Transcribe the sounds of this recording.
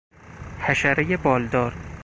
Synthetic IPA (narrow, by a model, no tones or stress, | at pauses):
hæʃæɾejebɒːld̪ɒːɾ